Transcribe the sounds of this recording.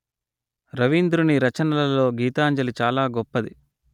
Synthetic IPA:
ɾɐʋind̪ɾuniɾɐt͡ʃɐnɐlɐlo̞ːɡiːt̪aːɲd͡ʒɐlit͡ʃaːlaːɡɔpːɐd̪i

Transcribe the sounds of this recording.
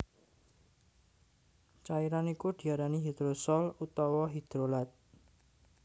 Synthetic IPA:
t͡ʃaiɾanikud̪̥i̤aɾaniɦid̪̥ɾosɔlut̪ɔwɔɦid̪̥ɾolat̪̚

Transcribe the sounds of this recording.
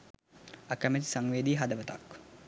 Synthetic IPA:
akəmet̪i̥saŋʋeːd̪iːɦad̪əʋət̪a̰k

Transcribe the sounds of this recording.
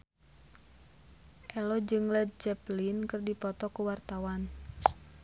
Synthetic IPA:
ʔɛlɔd͡ʒɨŋlɛd̪̚d͡ʒɛplinkɨrdipɔt̪ɔkuwart̪awan

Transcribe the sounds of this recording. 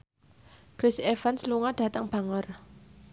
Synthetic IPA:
kɾɪsefansluŋaɖ̪̥a̤t̪əŋb̥a̤ŋər

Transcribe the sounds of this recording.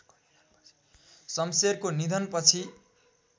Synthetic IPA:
sʌmserkonid̪ʱʌnpʌt͡sʰi

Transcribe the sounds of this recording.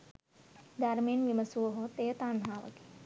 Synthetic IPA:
d̪aːɾmenʋimɐsuːɦot̪eːɐt̪aːnɦaːʋɐ̰ki̥

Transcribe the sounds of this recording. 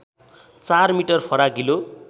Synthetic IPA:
t͡sarmiʈʌrpʰʌɾaɡilo

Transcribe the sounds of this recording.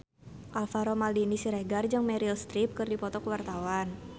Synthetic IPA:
ʔalfaɾomaldinisiɾɛɡard͡ʒɨŋmɛɾilst̪ɾip̚kɨrdipɔt̪ɔkəwart̪awan

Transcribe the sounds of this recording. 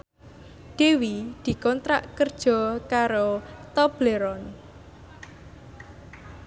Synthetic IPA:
ɖ̪̥e̤wid̪̥i̤kɔnt̪ɾaʔkərd̥ʒ̥ɔ̤kaɾot̪ɔb̥leɾɔn

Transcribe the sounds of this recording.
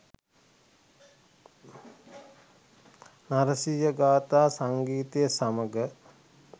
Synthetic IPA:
naɾəsijəɡaːt̪aːsaŋɡiːt̪ejəsaməɡə

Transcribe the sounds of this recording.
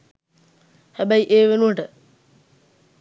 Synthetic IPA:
hæbæiʔeːʋenuʋəʈə

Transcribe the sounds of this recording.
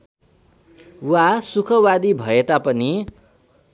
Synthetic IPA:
wasukʰʌwad̪ibʱʌet̪apʌni

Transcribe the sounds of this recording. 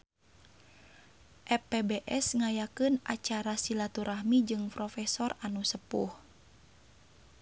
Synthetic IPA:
ʔɛpɛbeʔɛsŋajakɨnʔat͡ʃaɾasilat̪uɾahmid͡ʒɨŋpɾɔfɛsɔranusəpṵh

